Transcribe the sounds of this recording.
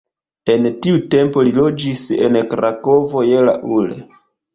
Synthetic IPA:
e̞ntiute̞mpo̞lilo̞d͡ʒise̞̰nkɾako̞vo̞jela̰ʔulḛ

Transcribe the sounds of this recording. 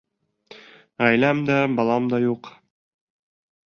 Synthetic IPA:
æjlæmd̪æbɑlˠɑmd̪ɑjuq

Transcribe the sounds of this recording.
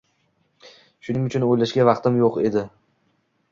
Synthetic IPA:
ʃʊnɪŋʊt͡ʃʰʊnojlaʃɡʲavɑqt̪ʰɪmjoqe̞d̪ɪ

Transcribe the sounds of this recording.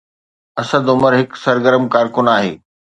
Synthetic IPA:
ɐsəd̪ʊməɾɦɪksɐɾɡəɾəmkaːɾkʊnaːɦḛː

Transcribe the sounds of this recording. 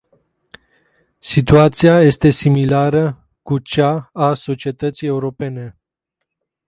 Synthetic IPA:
sit̪uat̪siaje̞st̪e̞similaɾə | kut͡ʃaːso̞t͡ʃie̞t̪ət̪sije̞uɾo̞pe̞ne̞

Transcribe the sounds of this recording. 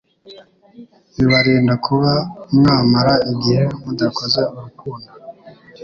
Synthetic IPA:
iβaɾiːndakʰuβamŋaːmaɾaiɟihemudakozeuɾukuːnda

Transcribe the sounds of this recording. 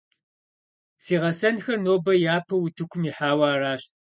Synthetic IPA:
siːʁɐsɐnxɐrnoːbɐjaːpʰɐwʊtʰɨkʷʰʊmiħaːwaːraːɕ

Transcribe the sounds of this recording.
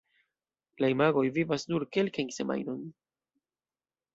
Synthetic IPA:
laimaɡo̞jvivasnuɾke̞lkajnse̞ma̰jno̞n

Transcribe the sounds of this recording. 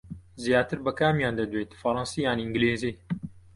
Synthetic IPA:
zijaːt̪ɨɾbɐkaːmjaːnd̪ɐd̪weːt̪fɐɾˤɑnsijaːniɨŋɡleːziː

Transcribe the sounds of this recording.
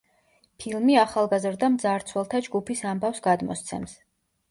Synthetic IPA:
pʰilˠmiaχalˠɡazɾd̪amd̪zaɾt̪sʰwɛlˠt̪ʰad͡ʒɡupʰisambafsɡad̪mɔ̰st̪sʰɛ̰ms

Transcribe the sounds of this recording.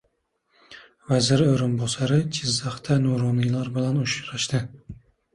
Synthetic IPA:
vazɪɾɪoɾɪnbɒsaɾɪt͡ʃʰɪzːaχt̪ʰanuɾɒnilaɾbɪlanʊʃɾaʃd̪ɪ

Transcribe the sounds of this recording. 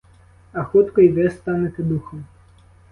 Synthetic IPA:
ɐxɔt̪kɔjvʲɛst̪anet̪ɛd̪uxɐm

